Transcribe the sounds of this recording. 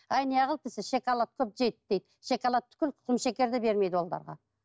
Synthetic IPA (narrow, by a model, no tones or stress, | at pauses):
ɑjnijɑʁəlˠpɪsɪʃe̞kɑlˠɑt̪̚kʲʰɵp̚ʒejt̪̚d̪̥ejd̪ | ʃekɑlˠɑt̪ʰːʏ̥kʲɪlqʰʊ̥q̪əmʃekʲe̞ɾd̪ɪbe̞ɾme̞jd̪wo̞lˠd̪ɑ̰ɾʁɑ̰